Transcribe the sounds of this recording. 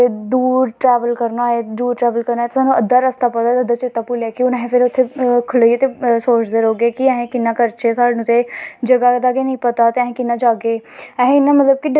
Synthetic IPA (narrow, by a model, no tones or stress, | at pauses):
ed̪uːɾʈɾɛːʋəlkəɾnaːeːd̪uːɾʈɾɛːʋəlkəɾnaːet̪esaːnːũːəd̪ːaːɾəst̪aːpət̪aːt̪ːəd̪aːt͡ʃɪt̪ːaːpulaːkɪʊnɛ̃ɦẽpʰɪɾʊt̪ʰːekʰʊlieːt̪esoːt͡ʃd̪eːɾoːɡeːkiɛ̃ɦẽːkɪnːaːkəɾt͡ʃeːsaːɽnũt̪ʰed͡ʒəɡaːd̪aːɡenəĩːpət̪aːt̪eɛ̃ɦẽːkɪnːaːd͡ʒaːɡeːɛɦẽɪnːaːmət̪ləb̚kiɖ